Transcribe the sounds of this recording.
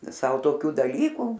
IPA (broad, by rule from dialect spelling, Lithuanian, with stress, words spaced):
ˈsɐʊ toːˈkʲuː dɐˈlʲiːkuː